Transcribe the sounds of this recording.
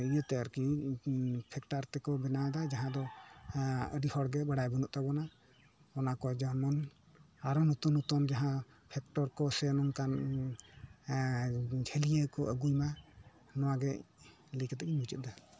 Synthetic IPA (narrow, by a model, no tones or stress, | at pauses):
ijət̪ɛɾki | pʰɛkʈaɾt̪ɛkɔbɛnad̪ad͡ʒaɦãd̪ɔ | ə̰ɖihɔɽɡɛbaɽajbɔnuʔ̚t̪abɔna | ɔnakɔd͡ʒamɔn | aɾɔnut̪ɔnut̪ɔnd͡ʒaɦã | pʰɛk̚ʈɔɾkɔsɛnɔmkan | d͡ʒʱʰelijəkɔʔəɡujma | nɔwaɡɛ | likt̪akiɲut͡ʃɛt̪̚d̪a